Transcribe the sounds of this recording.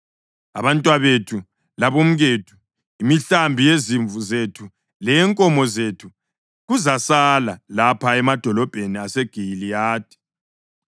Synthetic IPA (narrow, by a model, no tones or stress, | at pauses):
a̰βantʼwaβetʰu | laβom̩ɣetʰu̥ | imiɬambʱijeziɱvuzetʰu | lɛŋkʼɔmɔzetʰu | ɣuzasalalapʰaɛmad̥ʱɔlɔb̥ʱeniaseɡ̥ʱilijaːt̚ʰʼi̥